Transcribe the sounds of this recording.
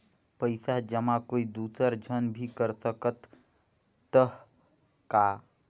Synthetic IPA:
pəɪsad͡ʒəmãkoid̪uːsəɾd͡ʒʱənbʱikəɾsəkət̪ː | əɦ | ka

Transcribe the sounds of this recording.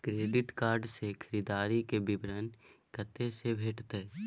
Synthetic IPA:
kɾeːɖɪʈkaːɾɖsekʰəɾiːd̪aːɾikebɪbɾənkət̪esebʱeːʈt̪e

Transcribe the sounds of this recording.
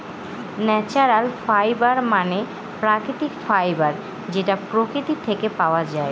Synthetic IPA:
nɛt͡ɕaɾalfajbaɾmane | pɾakɾit̪ikfajbaɾ | d͡ʑeʈapɾokɾit̪it̪ʰekepaoad͡ʑae

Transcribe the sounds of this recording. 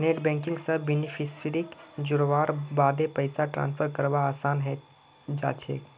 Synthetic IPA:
neːʈbɛ̃ːŋkɪ̃ŋɡsəbinipʰisʰiɾikd͡ʒʊɽʋaːɾbaːd̪epəɪsaʈɾã̰ːnspʰəɾkəɾʋaːsaːnɦɛ | d͡ʒa̰ːt͡ʃʰḛːk

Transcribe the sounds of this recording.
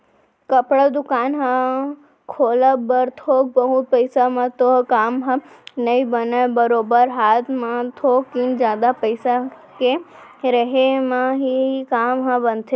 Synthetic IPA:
kɐpɽad̪ʊkaːnɦã | kʰoːləbəɾt̪ʰoːk̚bəɦʊt̪̚pəɪsamə̃t̪okaːmɦã | nɐibɐnəbəɾoːbəɾɦaːt̪mãt̪ʰokːind͡ʒjaːd̪apəɪsa | ke | ɾɐɦemãɦiikaːmɦãbɐnt̪ʰe

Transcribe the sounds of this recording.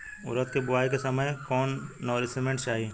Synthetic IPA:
ʊ̰ɾət̪kebʊʋaːjkesɐməjkɔːnːɔːɾɪsɪmẽɳʈt͡ʃaːɦi

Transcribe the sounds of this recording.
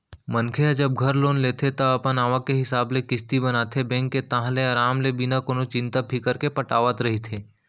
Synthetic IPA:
mɐnkʰead͡ʒɐb̚ɡʱɐɾloːnleːt̪ʰet̪ɐɐpənaːʋakeɦɪsaːblekɪst̪ibɐnaːt̪ʰebɛ̃ːŋkːet̪ãɦleaːɾaːmlebɪnakoːnot͡ʃɪ̃nt̪apʰikəɾkepɐʈaːʋət̪ɾɐɦit̪ʰeː

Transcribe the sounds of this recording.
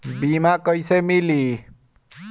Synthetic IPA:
bimakəjsemili

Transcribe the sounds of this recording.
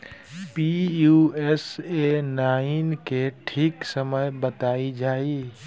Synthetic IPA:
pijuesenaːɪnkeʈʰiksəməjbət̪aːid͡ʒaːi

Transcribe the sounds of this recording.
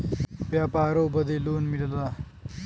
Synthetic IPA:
ʋjapaːɾobəd̪ʱeloːnmilla

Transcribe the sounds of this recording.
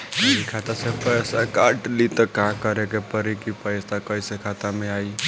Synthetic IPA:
ikʰat̪asepəjsakaʈlit̪ɔkãkəɾekepəɾikipəjsakəjsekʰat̪ameai

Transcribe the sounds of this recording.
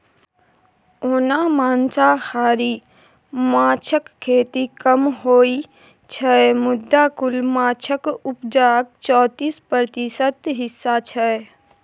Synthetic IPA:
oːnamãːnt͡ʃahaːɾiː | maːt͡ʃʰəkkʰːeːt̪ikəmɦoːi | t͡ʃʰɛemʊd̪ːakʊlmaːt͡ʃʰəkʊpd͡ʒaːk̚t͡ʃɔːt̪iːspɾɾət̪ɪsət̪ɦɪsːat͡ʃʰɛ

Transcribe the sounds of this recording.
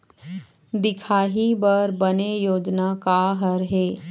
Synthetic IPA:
d̪ɪkʰaːɦibəɾbɐnejoːd͡ʒnakaɦəɾɦeː

